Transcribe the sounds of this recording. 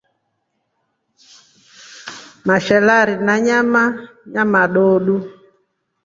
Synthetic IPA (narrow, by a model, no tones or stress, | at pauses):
maʃɛlaɾinaɲama | ɲamaɗoɗu